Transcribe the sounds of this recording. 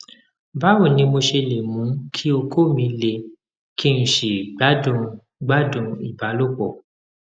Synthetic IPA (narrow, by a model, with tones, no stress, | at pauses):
ba˦wo˦˨nĩ˧mo˧ʃe˧le˨mũ˨˦kʰi˦o˧kʰo˦˨mĩ˧le˧ | kʰi˦ñ̩˨ʃi˨ɡ͡ba˨˦dũ˧ | ɡ͡ba˦dũ˧i˦˨ba˨˦lo˦˨k͡pɔ˦˨